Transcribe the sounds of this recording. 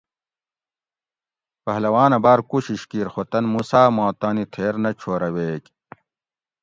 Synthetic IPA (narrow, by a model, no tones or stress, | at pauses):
pɐɦlɐwaːnɐbaːɾkuɕiɕkiːɾxot̪ɐnmusaːmoːt̪aːnit̪ʰeːɾnɐt͡ɕʰoːɾɐweːk